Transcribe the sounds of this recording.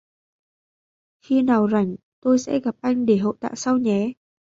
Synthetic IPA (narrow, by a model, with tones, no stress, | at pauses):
xi˧naː˨˩wza˧˩jŋ̟ | t̪o˧jsɛ̰˧˥ɣa˨˩p̚ʔa˧jŋ̟ɗe˧˩ɦo̰˧˨jt̪a̰ː˧˨sa˧wɲɛ˨˦